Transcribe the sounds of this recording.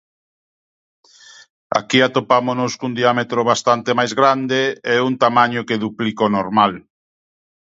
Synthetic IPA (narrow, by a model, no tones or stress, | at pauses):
a̰kiat̪opamonʊskund̪iamet̪ɾoβast̪ant̪emajzɣɾand̪eɛɛunt̪amaɲokeðuplikonoɾmal